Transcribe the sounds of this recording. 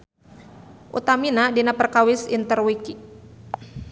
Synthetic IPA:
ʔṵt̪aminadinapərkawɪsint̪ərwiki

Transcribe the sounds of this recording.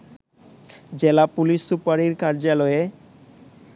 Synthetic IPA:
d͡ʑelapuliʃsupaɾiɾkaɾd͡ʑalɔe

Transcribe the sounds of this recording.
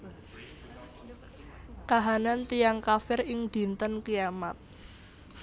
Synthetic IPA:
kaɦanant̪ijaŋkafɪrɪŋd̪̥i̤nt̪ənkijamat̪̚

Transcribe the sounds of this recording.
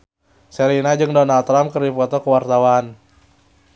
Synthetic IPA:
sɛɾinad͡ʒɨŋdɔnalt̪ɾamkərdipɔt̪ɔkəwart̪awan

